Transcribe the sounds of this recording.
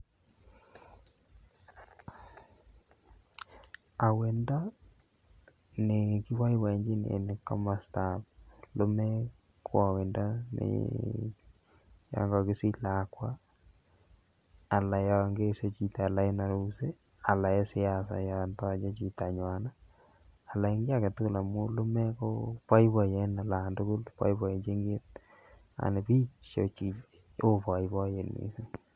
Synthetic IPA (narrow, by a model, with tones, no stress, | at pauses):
a˨we˨nda˦ | ne˨kɪ˦wa˦i˦wa˨i˨ɲd͡ʒi˦nḛ˨nɪ˨kɔ̰˦ma˨sta˨plo˦mɛ˦ | kʰwa˨we˨nda˦nɪ̰ | ja̰˦ŋɡɔ˨kɪ˦si˦la˨kwa˦ | a˨la˨ja˨ŋɡe˦se˦t͡ʃi˨ta˨la˨e˦na˨ɾu˦se˦ | a˨la˨e˦sɪ˦a˨sa̰˨ja˨ntɔ˦t͡ʃe˦t͡ʃi˨ta˨ɲwa˨naː˦˨ | la˨i˦ŋɡɪ˦a˦˨kɛ˨tʊ˦ku˦˨la˨mu˦lʊ˦mɛ˦ko˦pa˦jbɔ˨jɛ˨na˨la˨ndʊ˦kʊ˦lpa̰˦jbɔ˨e˨t͡ʃe˦ŋɡe˦t̚ | a̰˨ne˨pi˦ʃo˨t͡ʃi˨ | o˦pɔ˨i˦bɔ˦je˨nḭ˨si˦